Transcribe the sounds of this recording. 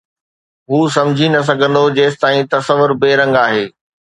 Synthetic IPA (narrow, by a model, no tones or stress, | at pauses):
ɦuːsɐ̃md͡ʑʱinɐs̬ɐɡʱə̃nd̪od͡ʑeːst̪aːĩt̪ɐsəʋʊɾbeːɾɐ̃ŋɡaːɦeː